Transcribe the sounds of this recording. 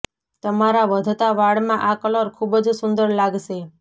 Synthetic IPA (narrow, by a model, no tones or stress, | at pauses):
t̪əmaɾaʋəd̪ʱt̪aʋaɭmãʔakəloɾkʰubəd͡ʒsʊnd̪əɾlaɡʃe